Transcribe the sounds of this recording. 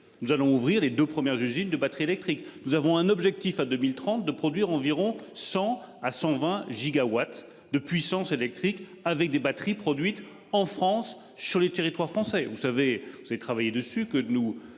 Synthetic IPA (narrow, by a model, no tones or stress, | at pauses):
nuzalɔ̃uvʁiʁled̪øpχəmjɛʁzyzind̪əbat̪χielɛk̚t̪χiknuzavɔ̃ɛ̃nɔbʒɛk̚t̪ifad̪ømilt̪χɑ̃t̪̚d̪əpχɔd̪ɥiʁɑ̃viʁɔ̃sɑ̃asɑ̃vɛ̃ʒiɡawat̪ | d̪əpɥisɑ̃selɛk̚t̪χik | avɛk̚d̪ebat̪χipχɔd̪ɥit̪ | ɑ̃fχɑ̃sː | yʁlet̪eʁit̪waʁfχɑ̃sɛvusavevuzavet̪χavajed̪əsykənu